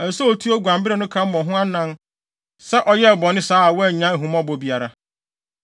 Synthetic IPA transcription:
ɛ˨sɔ˦o˨tʰu˦ɔ˦ɡʷã˨mbɪ˦ɾɛ˦˨nʊ̃˦kʰã˨˦m̩˦mɔ̃˨ɦʊ̃˦a˦nã˦n | sɛ˦ʔɔ˨jɛ˦˨bɔ˨nɪ̃˦saː˦a˨wɔ˦˨ɲã˦˨ɦũ˨mɔ̃˦bɔ˨bi˨a˨ɾa˨

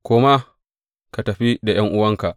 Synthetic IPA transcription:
kʷoː˦ma˦ | ka˨tɐ˨ɸi˦da˨j̰ɐ˦ŋʔʊ˦wɐ˦ŋka˨ʔ

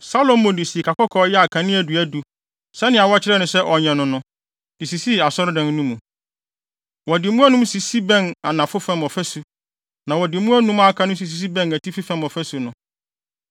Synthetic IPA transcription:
sa˦lõ˨mː˦ʊ̃˨dɪ˨si˨kʰa˨kɔ˦kʰɔː˨˦jɛ˦a˨kʰã˨nɪ̃˦æ˨du˨æ˦du˨ | sɛ˦nɪ̃˨a˨wɔ˦t͡ɕʰɪ˦ɾɛ˦nʊ̃˨sɛ˦ʔɔ˨ɲɛ̃˨nʊ̃˨nʊ̃˨ | di˨si˨si˦˨a˨sɔ˦ɾdɛ̃˨n˦nũ˦mũ˨ | wɔ˨dɪ˨˦mũ˦æ˦nũ˦msi˨si˦bɛ̃˦˨na˨nã˨fʊ˦fɛ̃˦mɔ˨fæ˦su˨ | nã˨wɔ˨dɪ˨mũ˦æ˦nũ˦ma˦kʰã˨˦nʊ̃˦s̬i˨s̬i˨s̬i˦bɛ̃˦˨næ˨tʰi˦fi˦fɛ̃˦mɔ˨fæ˦su˨nʊ̃˨

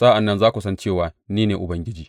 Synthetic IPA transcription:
saː˦ʔa˨nːɐ˦nzaː˦kʷu˨sɐ˦nt͡ʃeː˦˨waː˨niː˦neː˨ʔʊ˨bɐ˦ŋɡʲɪ˦d͡ʒiː˨

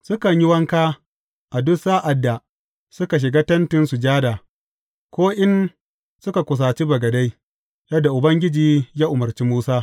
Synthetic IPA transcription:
sʊ˦kɐ˨ɲji˦wɐ˦ŋkaː˦ | ʔa˨dʊ˦sa˦ʔa˨dːa˨ | sʊ˦ka˨ʃ̬ɪ˨ɡaː˦tɐ˦ntɪ˦nsu˨d͡ʒaː˦daː˨ | kʷoː˦ʔɪ˦n | sʊ˦ka˨kʷʊ˨s̬aː˨t͡ʃi˦bɐ˨ɡɐ˨da˦j | jɐ˦dːa˨ʔʊ˨bɐ˦ŋɡʲɪ˦d͡ʒiː˨jaː˦ʔʊ˨mɐ˨rt͡ʃi˦muː˦saː˦

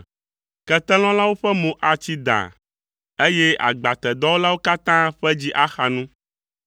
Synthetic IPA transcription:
kɛ˦t̪ɛ˦l̃ɔ̃˦la˦wo˦ɸɛ˦mõ˨ʔa˨t͡ɕi˦d̪a̰˨ | e˦jɛ˦a̰˨ɡ͡ba˨t̪ɛ˨d̪ɔ˦wo˦la˦wo˦ka˦t̪ã˦ɸɛ˦d͡ʑi˦ʔa˦xa˨nũ˦

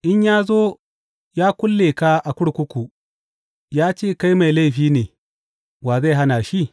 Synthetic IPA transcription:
ʔɪ˦ɲjaː˦zoː˦ | jaː˦kʷʊ˦lːeː˨ka˦ʔa˨kʷʊ˦ɽkʷʊ˦kʷu˨ | jaː˦t͡ʃeː˦˨ka˦jma˨jla˦jɸiː˦neː˨ | waː˨za˦˨jɦa˦naː˨ʃi˦˨

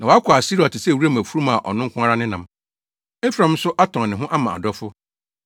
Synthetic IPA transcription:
nã˨wɔ˨˦a˦kʰʷʊ˨a˨si˦ɾɔ˨tʰɪ˨sɛ˦˨wu˦ɾa˦˨mæ̃˨fu˦ɾũ˦ma˨ʔɔ̰˨nʊ̃˦ŋ̩˦kʰʊ̃˦a˦ɾa˦nɪ̃˦nã˨m | e˦fɾã˦m̩˦sʊ˦ʔa˦tʰɔ̃˨ŋ˨nɪ̃˨ɦʊ̃˦ʔa˦mã˨a̰˨dɔ˦fʊ˦

